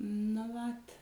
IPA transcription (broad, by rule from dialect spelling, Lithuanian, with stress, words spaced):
nʊ ˈʋɐt